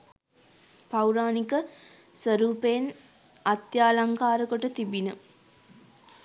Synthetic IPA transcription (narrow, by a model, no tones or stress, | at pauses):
pawɾaːnikə | sʋəɾuːpejn | at̪jaːlaŋkaːɾəkoʈət̪ibinə